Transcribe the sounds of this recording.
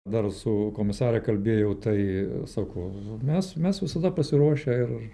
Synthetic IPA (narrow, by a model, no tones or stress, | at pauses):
d̪ɐrsʊkoːmʲɪsɑːɾʲɛkɐlʲbʲeːjɛʊt̪ɐɪsɑːkoːmʲɛsmʲɛsʋʲɪsɐd̪ɐpɐsʲɪɾuɔʃʲɛɪr